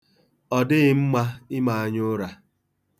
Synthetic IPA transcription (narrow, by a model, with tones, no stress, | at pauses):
ɔ˨dɪ˦ɣɪ˦m̩˦ma˦ɪ˦ma˨a˨ɲʊ˦ɾa˨